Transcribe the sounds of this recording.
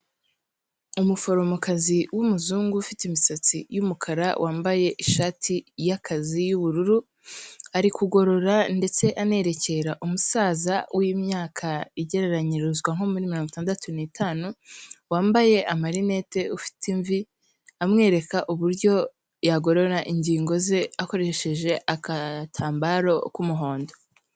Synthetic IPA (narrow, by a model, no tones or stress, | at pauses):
umufo̞ɾo̞mokaziwumuzuːŋɡuːfitimisat͡sijumukʰaɾa̰wʔaːmbaje̞ʔiʃaːtʰijakʰazijuβuɾuɾu | aɾikuɡo̞ɾo̞ɾande̞t͡se̞ʔane̞ɾe̞ce̞ɾaʔumusaːzawʔimɲaːkʰaiɟe̞ɾe̞ɾaɲiɾuzɡwaŋ̥o̞muɾimiɾo̞ːŋɡuitaːndatuniːtʰaːnuwaːmbaje̞ʔamaɾine̞te̞ufi̥tiɱvi | amŋe̞ːɾe̞kaʔuβuɾjɟo̞ | jaɡo̞ɾo̞ɾaʔiɲɟiːŋɡo̞ze̞ako̞ɾe̞ʃe̞ʒe̞ʔakatʰaːmbaɾo̞kumuɦo̞ːndo̞